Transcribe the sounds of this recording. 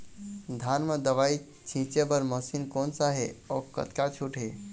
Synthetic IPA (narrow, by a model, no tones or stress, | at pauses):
d̪ʱanməd̪əʋai | t͡ʃʰĩt͡ʃebəɾməsinkonsaɦeɔkə̰t̪kat͡ʃʰuʈɦe